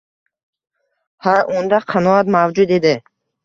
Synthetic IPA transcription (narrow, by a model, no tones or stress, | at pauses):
haɾʔund̪aqʰanɔat̪mavd͡ʒud̪ed̪e